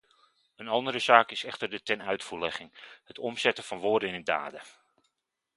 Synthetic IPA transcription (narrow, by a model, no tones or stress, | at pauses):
ənɑndəɾəzaːkɪsɛχtərdətɛnœɥtfuːɹlɛχɪŋhətɔmzɛtəfɑnʋoːdəɪnəda̰ːdə